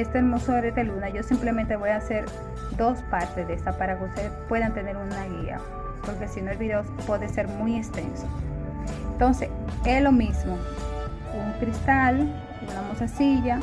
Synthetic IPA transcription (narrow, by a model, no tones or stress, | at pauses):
est̪oelmosoeɾet̪elunaʝo̞simple̞ment̪e̞βo̞jaːse̞ɾ | d̪o̞spaɾt̪ezðest̪apaɾake̞ust̪e̞ðespwe̞ðant̪e̞ne̞ɾunaɣia̰ | po̞ɾke̞sino̞elβiðeospweðese̞ɾmujest̪e̞̰nso̥ent̪o̞nse̞selo̞mizmo | uŋkɾist̪al | unamosasiʝa